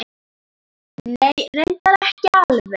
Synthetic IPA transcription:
neːjrʏnt̪aɾɛhcɪalvɪ

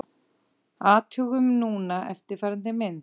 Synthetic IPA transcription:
aːt̪ʰʏɣʏmnuːnaʔɛ̰ft̪ɪɾ̥faɾnt̪ɪmɪnt

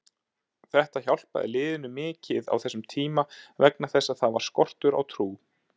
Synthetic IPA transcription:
θɛht̪açawl̥pa̰ðɛ̰ɾlɪːðɪnʏmɪːcɪða̰wθɛsʏmt̪ʰiːmavɛknaθɛsːaðθavaɾ̥skɔr̥t̪ʏɾa̰wt̪ʰɾuː

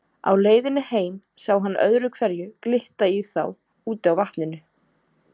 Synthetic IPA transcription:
a̰wleːjðɪnːɪheːjn | saːwɦanːʔœ̰ðɾʏkʰvɛɾjʏklɪht̪aiθa̰w | uːt̪ɪawvaht̪nɪnʏ

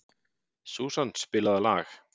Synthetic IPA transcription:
suːsanspɪːlaðala̰ːx

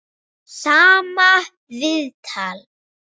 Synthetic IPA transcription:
saːma | vɪðt̪ʰaːl

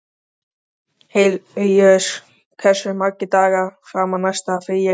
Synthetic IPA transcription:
hejlʏjœs | kʰɛ̥sʏmaɾcɪt̪aːɣafɾaːmanajst̪afɪja

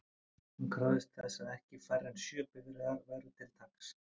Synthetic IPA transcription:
hunkʰɾawðɪst̪θɛsaðɛhcɪfajɾɛnsjœːpɪɣɾɪðaɾvɛɾʏt̪ʰɪlt̪ʰaks

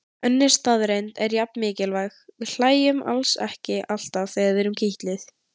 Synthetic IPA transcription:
œnːɪɾ̥st̪aðɾejnt̪ɛɾjap̚nmɪːcɪlvajxvɪðl̥aːjʏma̰lsɛ̰hcɪʔal̥t̪avθɛːɣaðvɛːɾʏmcʰiht̪lɪθ

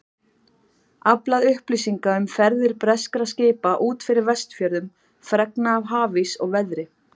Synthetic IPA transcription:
aplaðʏhpliːsiŋkaʏmfɛɾðɪɾ̥pɾɛskɾascɪːpaʔuːt̪fɪɾɪɾvɛst̪fjœɾðʏm | fɾɛknaːvɦaːvisɔ̰ɣvɛðɾɪ

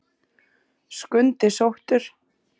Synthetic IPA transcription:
skʏnt̪ɪsowht̪ʏɾ̥

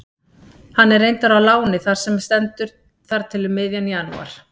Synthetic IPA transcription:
hanːɛɾejnt̪aɾawlaːwnɪθaɾ̥sɛmst̪ɛnt̪ʏɾ | θaɾt̪ʰɪlʏmːɪːðjanjaːnṵa̰ɾ̥

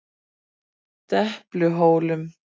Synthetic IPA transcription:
t̪ɛhplʏɦoːwlʏm

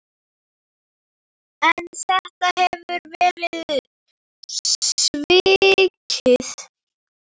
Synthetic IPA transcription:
ɛnθɛht̪ahɛvʏɾvɛːɾɪð | sviːcʰɪθ

